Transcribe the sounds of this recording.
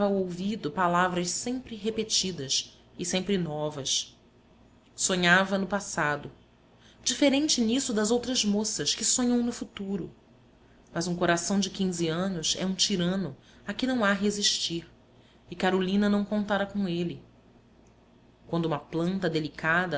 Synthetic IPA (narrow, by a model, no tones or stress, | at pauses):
ɐwowvid̪ʊpalavɾɐʃsẽmpɾɪɦepet͡ʃid̪ɐs | ɪsẽmpɾɪnɔvɐs | soɲavɐnʊpasad̪ʊ | d͡ʒifeɾẽnt͡ʃɪnisʊd̪ɐzowt̪ɾɐzmosɐʃkɪsõɲɐ̃w̃nʊfut̪uɾʊ̰ | mɐzũkoɾasɐ̃w̃d͡ʒɪkʲĩziɐ̃nʊzɛ̰ũt͡ʃiɾɐ̃nʊ | akɪnɐ̃w̃aɦeziʃt͡ʃiɾ | ɪkaɾolĩnɐnɐ̃w̃kõnt̪aɾɐkõelɪ | kwɐ̃nd̪uũmɐplɐ̃nt̪ɐd̪elikʰad̪ɐ